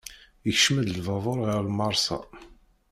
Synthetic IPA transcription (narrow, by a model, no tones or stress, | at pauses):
əçʃmæd̪lvɑðˤoɾˤeʁlmɑɾˤsɑ̰